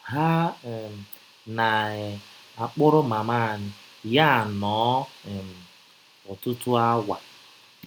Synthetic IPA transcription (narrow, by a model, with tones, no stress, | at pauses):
ɦa˦˨ | na˨ | a˨k͡pʊ˦ɾʊ˦ma˨ma˦˨nɪ˨ja˦˨nɔː˨˦˨m̩˨ | ʊ˨tʊ˦tʊ˦a˦wʷa˨